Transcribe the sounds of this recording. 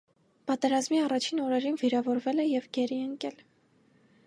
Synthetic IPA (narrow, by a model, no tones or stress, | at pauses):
pɑt̪ɛɾɑzmiɑrɑt͡ʃʰinɔɾɛɾinviɾɑvɔɾvɛlɛjɛvɡɛɾiɛŋkɛl